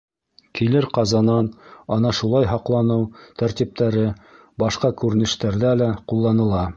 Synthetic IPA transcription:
kilɘɾqɑzɑnɑnɑnɑʃulˠɑjɦɑqlˠɑnɤwt̪æɾt̪ip̚t̪ʰæɾɘ | bɑʃqɑkʉɾɘ̆nɘ̆ʃt̪æɾðælæqulˠːɑnɤ̆lˠɑ

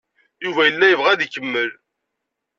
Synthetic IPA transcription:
juvæjəlːæjəvʁæðikːəmːəl

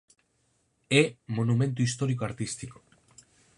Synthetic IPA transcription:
emonume̞nt̪̬uist̪o̞ɾiko̞aɾt̪ist̪iko̥

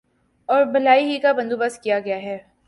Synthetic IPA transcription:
ɔːɾbɐlaːiɦikabɐ̃nd̪ubɐskijaɡɐjaɦɛː

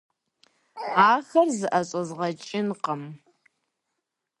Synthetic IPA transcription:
aːxɐrzɨʔɐɕʼɐzʁɐt͡ʃʼɪnqəm

